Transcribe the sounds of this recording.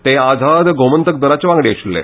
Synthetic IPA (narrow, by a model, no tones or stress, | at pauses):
t̪ead͡zʱad̪ɡʱomənt̪ək̚d̪əɾat͡ɕeʋãŋɡɽeəɕullḛ